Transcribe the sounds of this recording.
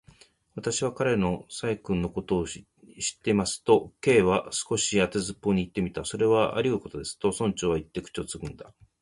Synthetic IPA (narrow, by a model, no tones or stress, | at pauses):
βat̪aɕiβakaɾe̞no̞saikɯ̟̃nːo̞ko̞t̪o̞ː | ɕi̥t̪ːe̞imasɨ̥t̪o̞ke̞ːβasɨ̥ko̞ɕiat̪e̞zɨpːo̞ɲ̟iːt̪ːe̞mʲit̪aso̞ɾe̞βaʔa̰ɾʲiɯko̞t̪o̞d̪e̞sɨ̥t̪o̞sõ̞ɲt͡ɕo̞ːβait̪ːe̞kɯ̟̥t͡ɕot͡sɨɡɯ̟̃nd̪a